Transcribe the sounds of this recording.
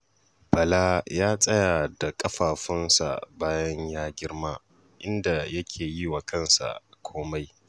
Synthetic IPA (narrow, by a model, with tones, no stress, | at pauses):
bɐ˨laː˦jaː˦sʼɐ˦jaː˨da˨kʼɐ˦ɸaː˨ɸɪ˦nsa̰˨baː˦jɐ˦ɲjaː˦ɡʲɪ˦ɽmaː˦ | ʔɪ˦nda˨jɐ˦kʲʰeː˨ji˦wa˨kʰɐ˦˨nsa̰˨kʷʰoː˦ma˦j